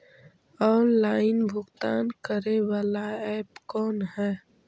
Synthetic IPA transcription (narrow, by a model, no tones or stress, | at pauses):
ɔːnlaːɪnbʱʊɡt̪aːnkəɾeʋaːlaɛːpkɔːnɦɛː